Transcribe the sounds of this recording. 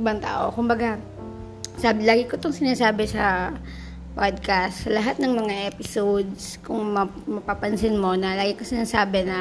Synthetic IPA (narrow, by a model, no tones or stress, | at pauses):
ʔɪbaŋt̪a̰ːʔo̞̰kʊmbɐɡa | sablaːɡɪkot̪oŋsɪnaːsaːbɛsɐ | pad̪̚kast̪sɐlɐɦat̪̚nɐŋmɐŋaʔɛpɪsod̪skʊŋmɐ | mɐpapɐnsɪnmo̞nɐlaːɡɪkosɪnaːsaːbɛnɐ